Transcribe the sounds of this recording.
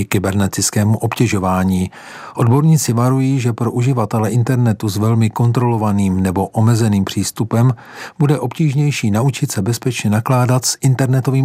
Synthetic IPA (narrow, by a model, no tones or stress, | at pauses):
kɪbɛɾnɛt̪ɪt͡skɛːmuʔo̞pcɛʒo̞vaːɲiː | ʔo̞dbo̞ɾɲiːt͡sɪvaɾujiːʒɛpɾo̞ʔuʒɪvat̪ɛlɛʔɪnt̪ɛɾnɛt̪uzvɛlmɪko̞nt̪ɾo̞lo̞vaniːmnɛbo̞ʔomɛzɛniːmpr̥iːst̪upɛm | b̥udɛʔo̞pciːʒɲɛjʃiːnaut͡ʃɪt̪sɛbɛspɛt͡ʃɲɛnaklaːdat̪sʔɪnt̪ɛɾnɛt̪o̞viːm